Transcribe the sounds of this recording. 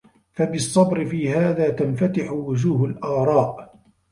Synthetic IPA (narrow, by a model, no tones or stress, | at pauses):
fabɨsˤːɑbɾɪfiːhaːðaːt̪anfat̪ɪħʊwʊd͡ʒuːɦalʔɑːɾˤɑːʔ